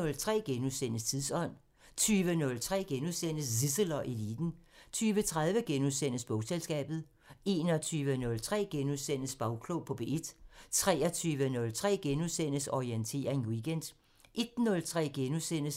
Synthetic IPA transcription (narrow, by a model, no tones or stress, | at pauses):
ɔ̽lt͡sʰʁɛ̰ːɡ̥enuðˠsen̰əst͡sʰiðˠsɒ̽n̰ | t͡sʰyːʋənɔ̽lt͡sʰʁɛ̰ːɡ̥enuðˠsen̰əsdisəlɒʔilḭːd̥n̩t͡sʰyːʋət͡sʰʁað̞ˠʋəɡ̥enuðˠsen̰əsb̥ɔ̽ʊselsɡ̥ɛ̰ːb̥ð̞̩ˠ | e̝ːnɒ̽t͡sʰyːʋənɔ̽lt͡sʰʁɛ̰ːɡ̥enuðˠsen̰əsb̥ɑ̈ʊkʰlopʰɒ̽b̥e̝ed̥t͡sʰʁɛːɐt͡sʰyːʋənɔ̽lt͡sʰʁɛ̰ːɡ̥enusen̰əsɒient͡sʰe̝̰ːɐe̝nwiɡ̥end̥ | ʔe̝d̥nɔ̽lt͡sʰʁɛ̰ːɡ̥enusen̰əs